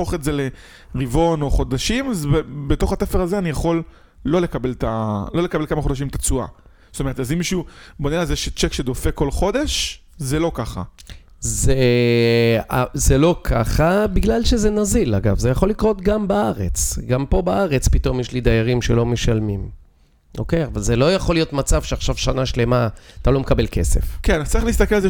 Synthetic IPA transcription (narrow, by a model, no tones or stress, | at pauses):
oχetzele | ʁivo̞no̞χo̞d̪aʃimazbbet̪o̞χatefeʁazeanijaχo̞lː | o̞lekabe̞lt̪alo̞le̞kabelkamaχo̞daʃimt̪at͡sua̰ | zotome̞etazimiʃubo̞nelazeʃet͡ʃekʃed̪o̞fe̞ko̞lχo̞d̪e̞ʃ | zelo̞kaχa̰ | ze | azelo̞kʰaχabiɡlalʃe̞zenazilaɡavzejaχo̞lːikʁo̞t̪ɡambaaʁe̞t͡sɡampo̞baaʁe̞t͡spit̪o̞mjeʃlid̪ajaʁimʃe̞lo̞meʃalmim | ʔo̞̰kejavalzelo̞jaχo̞lijo̞tmat͡sav̥ʃeaχʃavʃanaʃle̞maat̪alo̞mekabelke̞se̞̰fkentt͡saʁiχliist̪akelalze